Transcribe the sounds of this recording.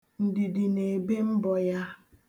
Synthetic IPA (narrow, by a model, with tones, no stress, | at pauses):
n̩˨dɪ˨dɪ˨ne˨e˨be˦m̩˦bɔ˨ja˦